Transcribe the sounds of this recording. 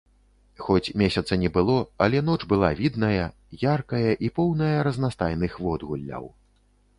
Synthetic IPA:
xɔt͡sʲmʲesʲɐt̪sɐnʲɛbɨlˠɔɐlʲɛnɔt͡ʂbɨlˠavʲid̪nɐjɐ | jarkɐjɐʔipɔwnɐjɐɾɐznast̪ajnɨxvɔd̪ɣulʲːɐ̰w

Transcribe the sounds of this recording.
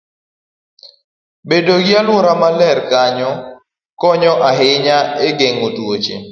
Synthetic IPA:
bedoɡɪalwʊɾamalɛɾkaɲɔ | kɔɲɔʔaɦɪɲaeɡeŋotot͡ʃḛ

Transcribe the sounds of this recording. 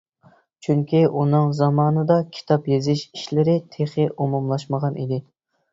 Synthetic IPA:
t͡ʃʰyŋkʲʰiʔunɨŋzɑmɑːnɨd̪ɑkʲʰi̥t̪ʰɑpjezɪʃiʃlɪɾɪt̪ʰeχɪʔumumlˠɑʃməʁɑnʔid̪ɪ

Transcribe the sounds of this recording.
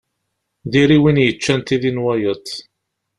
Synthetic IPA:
d̪iɾiwinjət͡ʃːænt̪iðinwæjət̪ˤː

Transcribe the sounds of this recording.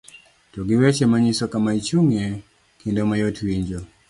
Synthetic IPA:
tɔɡiwɛt͡ʃɛmaɲisɔkamait͡ʃuŋɛ | kindɔmajɔtʰiwiɲd͡ʒɔ

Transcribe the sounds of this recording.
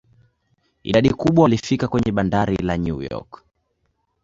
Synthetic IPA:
ḭɗaɗikuɓwalifikakwɛɲɛɓandaɾilaɲṵjɔ̰k

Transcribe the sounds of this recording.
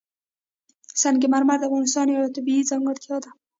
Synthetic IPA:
sanɡemaɾmaɾd̪əavɣɑnɪs̬t̪ɑnjawat̪abiizɑŋɡəɽt̪jɑd̪a

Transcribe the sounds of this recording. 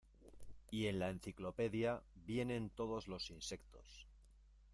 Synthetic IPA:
ie̞nlaen̟θiklo̞pe̞ðjabje̞nẽ̞nt̪o̞ð̞o̞zlo̞sinse̞kt̪o̞s

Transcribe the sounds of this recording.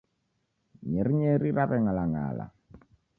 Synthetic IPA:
ɲeɾiɲeɾiɾaβɛŋalaŋa̰ːla̰

